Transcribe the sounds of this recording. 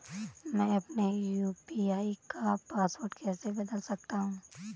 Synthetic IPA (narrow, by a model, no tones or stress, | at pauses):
mɛ̃ːɐpnejuːpiaːikapaːsʋoːɾɖkɛːsebɐd̪əlsɐk̚t̪aɦũː